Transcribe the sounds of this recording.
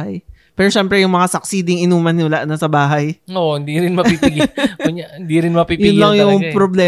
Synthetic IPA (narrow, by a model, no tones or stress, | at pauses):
aj | pɛːɾoʃɛmpɾɛjʊŋmɐŋasɐk̚siːd̪ɪŋɪnuːmɐnɪwɐlaʔnɐsɐbaːɦɐjoʔhɪnd̪iɾɪnmɐpipiɡʊɲahɪnd̪iɾɪnmɐpijʊnlɐŋjʊŋpɾoblɛː